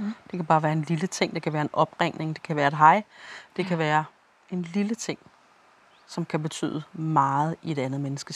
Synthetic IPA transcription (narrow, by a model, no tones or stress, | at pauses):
d̥e̝kʰæb̥ɑ̈ːʋæːɐe̝nlilət͡sʰe̝ŋ̰d̥e̝kʰæʋæːɐenʔɒ̽b̥ʁeŋ̰ne̝ŋd̥e̝̥kʰæʋæːɐe̝d̥ɦɑ̈ɪ̰d̥e̝kʰæʋæːɐ | e̝nlilət͡sʰe̝ŋ̰ | sɒ̽mkʰæbe̝t͡sʰy̰ːð̩ˠəmɑ̈ːð̩ˠie̝ɾ̥ænð̞̩ˠmenəsɡ̥ə